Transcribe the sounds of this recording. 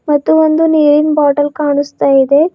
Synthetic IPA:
mɐt̪ːuond̪uniːɾinbaːʈɐlkaːɳust̪aːjid̪e̞

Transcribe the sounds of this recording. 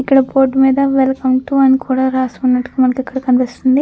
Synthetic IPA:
ikːɐɽɐpo̞ːɾʈːmiːd̪ɐʋelkɐmʈ̪uɐnikuːɽaːɾaːsunːɐʈːu̥kumɐnɐkɛkːɐɽɐkɐnpist̪und̪i

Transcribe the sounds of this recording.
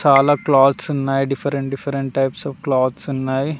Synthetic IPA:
t͡ʃaːlaːklaːt̪sunːaːjiɖifɐɾeɳʈ̚ɖifɐɾeɳʈʈɐjpsɐːfklaːt̪sunːaːji

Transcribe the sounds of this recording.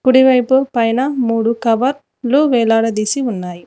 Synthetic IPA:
kuɽiʋɐjpupɐjnɐmuːɽukɐʋɐɾ | luʋɛːlaːɽɐd̪iːsiunːaːji

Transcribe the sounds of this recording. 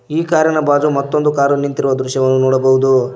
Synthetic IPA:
iːkaːɾjɐnɐbaːd͡ʒumɐt̪ːond̪ukaːɾunint̪iɾuʋɐd̪ɾuʃjɐʋɐnːunɔːɽɐbɐɦud̪u

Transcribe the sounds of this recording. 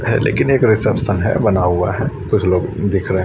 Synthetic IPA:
ɦɛ̰lʔḛːkɪneːkɾɪsɛpsənɦɛ̰bɐnaɦua̰ɦɛkʊt͡ʃʰloːɡd̪ɪkʰɾɛɦẽ

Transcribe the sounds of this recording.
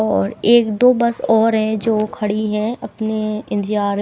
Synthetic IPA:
ɔːɾeːkd̪oːbɐsɔːɾɦɛ̃d͡ʒoːkʰɐɽiɦɛ̃ɐpneɪ̃nt̪ɪjaːɾ

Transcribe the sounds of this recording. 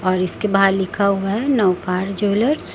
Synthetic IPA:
ɔːɾɪskebɦaːɾlɪkkʰaɦuaɦɛnɔwkaːɾd͡ʒoːləɾs

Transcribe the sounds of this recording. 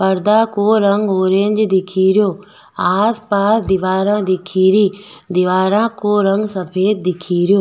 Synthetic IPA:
pɐɾd̪akoːɾɐ̃ŋɡoːɾẽːɲd͡ʒd̪ɪkʰiːɾɪjoː | aːspaːsd̪ɪʋaːɾãːd̪ɪkʰiːɾiːd̪ɪʋaːɾãːkoːɾɐ̃ŋɡsɐpʰeːt̪̚d̪ɪkʰiːɾɪjoː

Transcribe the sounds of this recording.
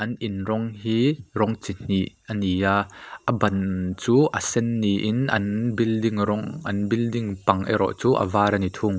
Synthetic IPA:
ʔɐnʔinrɔŋɦiːrɔŋt͡sin̥iʔ | ɐnijaːʔɐbɐnt͡suːʔɐsɛnːiʔɪnʔɐ̰nbildiŋrɔŋʔɐnbildiŋpɐŋʔɛ̰ɾɔ̰ʔt͡suːʔɐ̰vaɾɐnit̪ʰuŋ

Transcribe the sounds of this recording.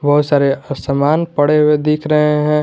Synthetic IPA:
bɐɦʊt̪saːɾesəmaːnpɐɽeɦʊed̪iːkʰɾɐɦeɦɛ̃

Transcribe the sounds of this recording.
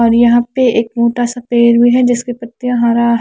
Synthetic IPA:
ɔːɾjɐɦãpeeːk̚moːʈasɐpeːɾɦʊiɦɛd͡ʒɪskepɐt̪ːjɦãːɾa

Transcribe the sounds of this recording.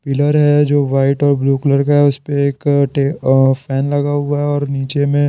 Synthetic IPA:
pɪləɾɦɛd͡ʒoːʋaːɪʈɔːɾbluːkɪləɾkɦɛʊspeeːkʈeːpʰɛːnlɐɡaɦʊaɦɛɔːɾniːt͡ʃemẽ

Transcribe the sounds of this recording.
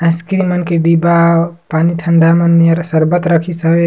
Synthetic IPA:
ə̃skɾimənkeɖibapaniʈʰəɳɖameneɾsəɾbət̪ɾəkʰisəbe

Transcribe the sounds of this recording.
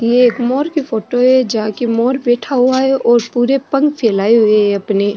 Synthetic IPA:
jeːkmɔːɾkifoːʈoɦɛd͡ʒɐɦãkimɔːɾbɛːʈʰaɦʊaɦɛʔɔːɾpuːɾepɐ̃ŋɡpʰɛːlaːeɦʊeɦɛɐpne

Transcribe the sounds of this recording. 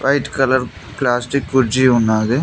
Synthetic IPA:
ɾaɪʈkələɾ | plaːsʈikːʊd͡ʒiʊnaːd̪e

